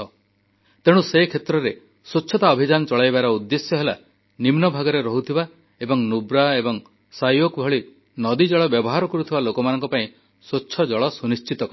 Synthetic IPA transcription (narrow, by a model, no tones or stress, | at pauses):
ɔ | t̪eɽ̃usekʰet̪ɾɔɾe | soːʃʰɔt̪aɔbʱid͡ʒanɔt͡ʃɔɭajbaɾɔud̪ːesjɔɦela | nimnɔbʱaɡɔɾeɾɔɦut̪ʰiba | ebɔŋnubɾaebɔŋ | sajokbʱɔɭi | nɔd̪id͡ʒɔɭɔbjɔbɔɦaɾɔkɔɾut̪ʰibalokɔmanɔŋkɔpaĩ | soːʃʰɔd͡ʒɔɭɔsunist͡ʃit̪ɔk